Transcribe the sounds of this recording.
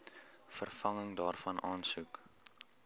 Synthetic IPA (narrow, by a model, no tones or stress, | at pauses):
fərfɐŋəŋdɑːrfɐnɑːnsuk